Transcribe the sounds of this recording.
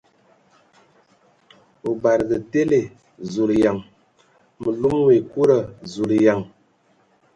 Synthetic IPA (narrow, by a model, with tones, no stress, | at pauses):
o˨ba˨ɾɡə˨te˦le˨ | zu˨lja˨ŋ | mə˨lu˦mwe˨ku˦ɾə˨zu˨lja˨ŋ